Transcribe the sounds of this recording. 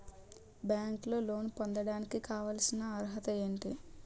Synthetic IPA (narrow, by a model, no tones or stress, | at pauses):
bjaːŋklo̞ːlo̞ːnpond̪ɐɽaːnikikaːʋaːlsinɐːɾɦɐt̪ɐe̞ːɳʈi